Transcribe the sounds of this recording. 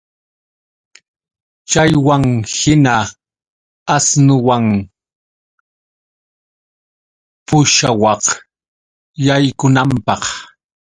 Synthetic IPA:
t͡ʃajwaŋhɪna | asnʊwaŋ | pʊʃawɑq | jajkʊnampɑχ

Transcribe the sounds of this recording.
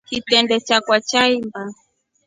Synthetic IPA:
kitɛndɛt͡ʃakwat͡ʃaimba

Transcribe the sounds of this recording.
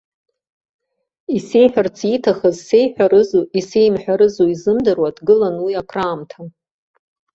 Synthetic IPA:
ise̞jħᶣart͡sʰitʰaχəzse̞jħʷᶣaɾɨzuʔise̞jmħʷᶣaɾɨzuizɨmdɨrwatʰɡɨlanwiakʰraːmtʰa

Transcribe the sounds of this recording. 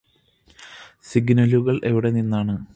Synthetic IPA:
siɡnɐluɣɐɭʔe̞ʋiɽe̞ninːaːɳɨ

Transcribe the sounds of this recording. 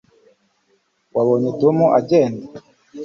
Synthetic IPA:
waβoɲetumuʔaɟeːnda

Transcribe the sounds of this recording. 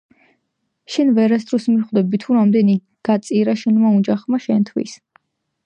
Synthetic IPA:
ʃɛnvɛɾɛst̪ʰɾɔsmiχd̪ɛbit̪ʰuɾamd̪ɛni | ɡ̥at̪sʼiɾaʃɛnmaud͡ʒaχmaʃɛnt̪ʰwḭs

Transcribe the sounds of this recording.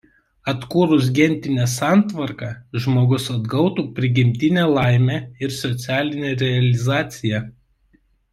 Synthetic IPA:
ɐt̪kuːɾʊs̬ɡʲɛnʲˑt̪ʲɪnʲɛsɑˑnt̪ʋɐɾkɑʒmoːɡʊsɐd̪ɡɐʊt̪uːpʲɾʲɪɡʲɪmʲt̪ʲɪnʲɛlˠɑˑɪmʲeɪɾsɔt̪sʲæːlʲɪnʲɛɾʲɛɐlʲɪzɑːt̪sʲɪjɛ

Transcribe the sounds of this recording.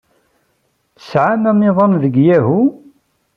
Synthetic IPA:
θə̥sʕamæmɪðˤɑnðəɡjæɦu

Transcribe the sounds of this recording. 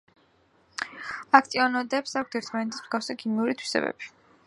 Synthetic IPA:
ak̚ʰt̪ʼiɔnɔd̪ɛpsak̚ʰt̪ʰɛɾt̪ʰmanɛt̪ʰi̥sm̥z̥ɡafsakʰimiuɾit̪ʰwi̥sɛ̰bɛ̰b̥i̥

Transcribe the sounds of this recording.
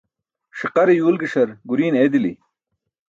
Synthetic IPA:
ʂiqɐɾejuːlɡiʂɐɾɡuɾiːneːd̪ili

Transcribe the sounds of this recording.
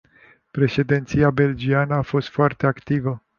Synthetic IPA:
pɾe̞ʃe̞d̪int̪sijabe̞ld͡ʒianəafo̞st̪foart̪e̞akt̪ivə

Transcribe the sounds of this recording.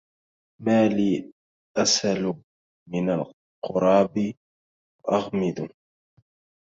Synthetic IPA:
maːliː | ʔasal | mɪnal | qʰʊɾˤɑːbɪ | wʔɑɣmɪd̪ʊ

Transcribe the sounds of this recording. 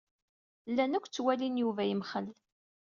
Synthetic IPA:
lːænəkʷːt͡sːwælinjuvæjimχəl

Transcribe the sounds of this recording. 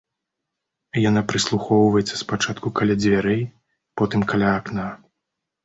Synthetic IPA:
janapɾɨslˠuxɔwvɐjɛt̪sːɐspat͡ʂat̪̚kukalʲad͡zʲvʲaɾɛj | pɔt̪ɨmkalʲaːkna

